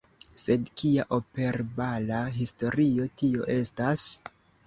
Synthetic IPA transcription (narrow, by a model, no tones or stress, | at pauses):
se̞dkʰiaʔo̞pe̞ɾbalaɦisto̞ɾio̞tio̞̰ʔe̞stas